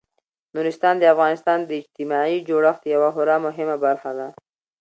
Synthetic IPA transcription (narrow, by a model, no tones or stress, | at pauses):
nuɾɪst̪ɑnd̪əafɣɑnɪst̪ɑnd̪əɪd͡ʒt̪ɪmɑid͡ʒoɽəxt̪jawaɦʊɾamʊɦɪmabaɾxad̪a